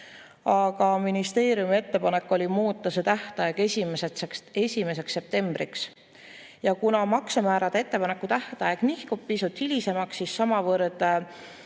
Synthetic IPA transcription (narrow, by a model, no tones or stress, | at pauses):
ɑɡ̥ɑminist̪e̞ːɾjumie̞t̪ːe̞pɑne̞kːˑo̞lʲimuːt̪ːˑɑse̞t̪æht̪ɑjeɡ̥esʲimesee̞sʲime̞s̬e̞ksːe̞p̚t̪e̞mb̥ɾiks | jɑkunɑmɑksɑmæːɾɑd̪̥ee̞t̪ːe̞pɑne̞kːˑut̪æht̪ɑjeɡ̥nihkub̥̚pisut̪hilʲise̞mɑksːissɑmɑvɤrd̪̥